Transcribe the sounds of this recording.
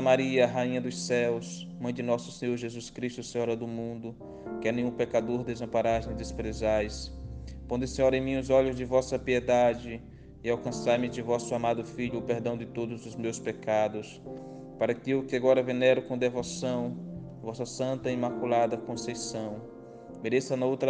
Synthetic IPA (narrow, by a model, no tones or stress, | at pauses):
ɐmaɾiɐɦaĩɲɐd̪ʊssɛws | mɐ̃j̃d͡ʒ̪ɪnɔsʊ̥sẽɲoɾʒezuskɾist̪ʊsẽɲɔɾɐd̪ʊmũnd̪ʊ | kɪɛnẽj̃ũpekad̪oɾd̪ezɐ̃paɾaʒẽd̪espɾezajspõnd̪ɪsẽɲɔɾẽj̃mĩʊzɔʎʊzd͡ʒɪvɔsɐpied̪ad͡ʒɪ | ɪawkɐ̃saɾmɪd͡ʒɪvɔsʊamad̪ʊfiʎʊːpeɾd̪ɐ̃w̃d͡ʒ̪ɪt̪od̪ʊzʊzmewspekad̪ʊs | paɾɐkɪewkɪaɡɔɾɐvenɛɾʊkõd̪evosɐ̃w̃ | ɐvɔsɐsɐ̃nt̪ɐimakulad̪ɐkõsejsɐ̃w̃ | meɾesɐnɐowt̪ɾɐ